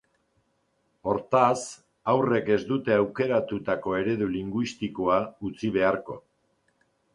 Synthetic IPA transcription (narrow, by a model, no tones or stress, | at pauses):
o̞ɾt̪as | awre̞ke̞zd̪ut̪e̞awke̞ɾat̪ut̪ako̞e̞ɾe̞ðuliŋɡwist̪ikoaut͡siβ̞e̞aɾko̞